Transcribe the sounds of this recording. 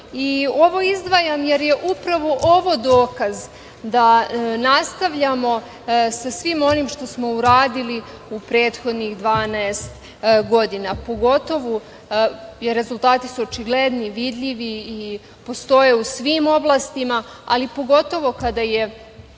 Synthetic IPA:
io̞ʋo̞izd̪ʋajamje̞ɾje̞ʔupɾaʋo̞ʔo̞ʋo̞d̪oːkaz | d̪anast̪aʋʎamo̞ | sasʋimo̞nimʃt̪o̞smo̞uɾaːd̪ili | upɾe̞ːt̪xo̞d̪nixd̪ʋaːnaest̪ | ɡo̞d̪inapo̞ɡo̞t̪o̞ʋu | jeɾe̞zulˠt̪aːt̪i̥suot͡ʃiɡle̞d̪niʋid̪ʎiʋiː | po̞st̪o̞je̞usʋimo̞blˠast̪ima | alipo̞ɡo̞t̪o̞ʋo̞kad̪aje̞

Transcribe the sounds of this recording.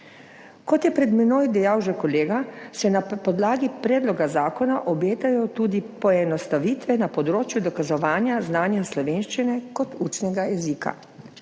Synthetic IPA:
kɔt̪jɛpɾɛd̪mɛnoːjd̪ɛjawʒɛkɔleːɡasɛnapɔd̪laːɡipɾɛːd̪lɔɡazaːkɔnaʔɔbeːt̪ajɔt̪uːd̪ipɔɛnɔst̪aʋiːt̪ʋɛnapɔd̪ɾoːt͡ʃjud̪ɔkazɔʋaːnjaznaːnjaslɔʋeːnʃt͡ʃinɛkɔt̪uːt͡ʃnɛɡajɛzika̰

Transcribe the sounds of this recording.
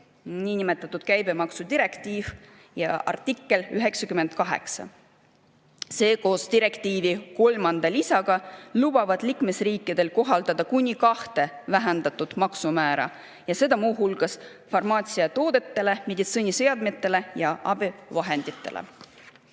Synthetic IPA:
niːnime̞t̪ːˑɑt̪ːˑud̪̥̚kæjbe̞mɑksud̪̥iɾe̞kt̪iːv̥ | jɑɑ̰rt̪ikːˑe̞lyɦe̞ksɑkymːe̞nd̪̥̚kɑɦe̞̰ksɑ̰ | se̞ːko̞ːst̪iɾe̞kt̪iːviko̞lmɑnd̪̥ɑlisɑɡ̥ɑlub̥ɑvɑd̪̥liːkme̞sriːkːˑid̪̥e̞lko̞ɦɑld̪̥ɑd̪̥ɑkunʲikɑht̪e̞væɦend̪ɑt̪ːˑud̪̥mɑksumæːɾɑ̰ | jɑse̞d̪̥ɑmuːɦulɡ̥ɑs | fɑrmɑːt̪siɑt̪o̞ːd̪̥e̞t̪ːe̞le̞med̪it̪sonʲise̞ɑd̪mit̪ːˑe̞le̞jɑʔɑbivɑɦe̞nd̪̥it̪ːˑe̞̰lʔḛ

